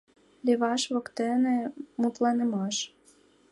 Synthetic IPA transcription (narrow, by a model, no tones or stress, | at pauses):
lʲeβɑʃβokt̪ĕnĕmut̪lɑnĕmɑʃ